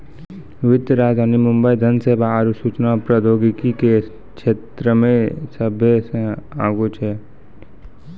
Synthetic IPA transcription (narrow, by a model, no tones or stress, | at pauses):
ʋɪt̪əɾaːd̪ʱaːnimʊ̃mbəid̪ʱənseːbʱaaɾusut͡ʃnapɾəd̪oːɡɪkike | kʃeːt̪ɾəmẽsəbʱesẽa̰ːɡot͡ʃʰɛː